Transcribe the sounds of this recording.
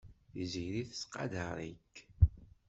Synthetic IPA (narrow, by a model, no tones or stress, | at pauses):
θiziɾiθsqːɑ̰d̪əɾˤḭk